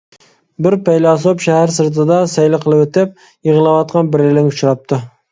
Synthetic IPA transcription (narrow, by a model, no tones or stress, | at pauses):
bɪɾpæjlɑs̬opʃæhæɾsɨɾt̪̬ɨd̪ɑsæjlɪqʰəlˠɨpɵt̪ɪp̚ | jəʁɨlˠɑwɑt̪̚qʰɑnbɪɾɪlɪŋʊt͡ʃɾɑp̚t̪ʰɪ